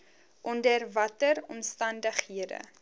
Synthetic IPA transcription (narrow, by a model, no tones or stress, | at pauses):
ʔɔndərvɐtərɔmstɐndəχhiədə̰